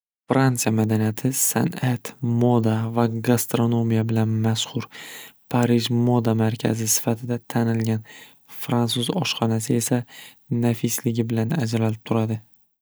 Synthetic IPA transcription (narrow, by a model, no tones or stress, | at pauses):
fɾant̪sijamad̪anijat̪ʰɪsa̰nat̪mod̪avaɡast̪ɾo̞no̞mijabɪlanmasqʊɾpʰaɾɪʒmo̞d̪amaɾkʲʰa̰zɪsɪ̥fat̪ʰɪd̪at̪ʰanɪlɡʲan | fɾant̪suzɒʃqɒnasɪe̞sa | nafɪslɪɡʲɪbɪlanad͡ʒlalɪp̚t̪ʰʊɾad̪ɪ